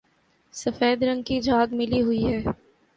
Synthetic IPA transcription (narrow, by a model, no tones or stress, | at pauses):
sɐfeːd̪ɾɐ̃ŋɡ̚kid͡ʒʱaːɡmɪliɦʊiɦɛː